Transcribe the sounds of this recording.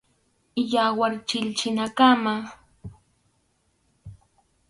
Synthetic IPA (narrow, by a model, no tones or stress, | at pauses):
ɪʎawaɾt͡ʃɪlt͡ʃɪnakama